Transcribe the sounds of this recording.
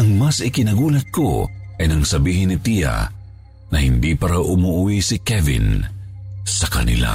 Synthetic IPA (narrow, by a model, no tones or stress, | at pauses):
ɐŋmɐsɪkɪnɐɡuːlɐt̪̚ko̰ʔɐjnɐŋsɐbiːhɪnːɪt̪ija̰ | nɐhɪnd̪ipɐɾawʔʊmoʔʊwisɪkɛvɪ̰n | sɐkɐ̰nɪ̰la̰